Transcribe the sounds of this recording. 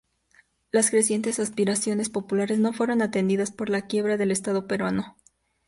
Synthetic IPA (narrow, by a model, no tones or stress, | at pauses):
laskɾe̞sje̞nt̪e̞saspiɾasjo̞ne̞spo̞pulaɾe̞zno̞fwe̞ɾo̞nat̪e̞nd̪iðaspo̞ɾlakje̞β̞ɾaðe̞le̞st̪aðo̞pe̞ɾwano̞